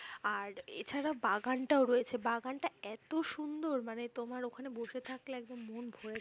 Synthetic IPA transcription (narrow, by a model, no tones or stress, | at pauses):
aɾḛt͡ɕʰaɾabaɡanʈaoɾojet͡ɕʰebaɡanʈaɛt̪oʃund̪oɾmanet̪omaɾokʰaneboʃet̪ʰakleɛɡ̚d̪omːonbʱoɾe